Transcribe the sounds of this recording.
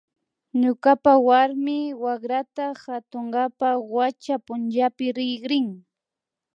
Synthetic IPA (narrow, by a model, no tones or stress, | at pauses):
ɲʊkapawaɾmɪwaχɾat̪axat̪oɴɢɑpawat͡ʃapʊnt͡ʃapɪɾɪχɾɪŋ